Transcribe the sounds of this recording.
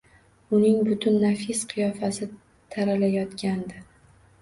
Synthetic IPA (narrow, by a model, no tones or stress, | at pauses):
ʊnɪŋbʊt̪ʰʊnːafisqʰɨjɒfasɪ | t̪ʰaɾalajɒt̪kʲand̪ɪ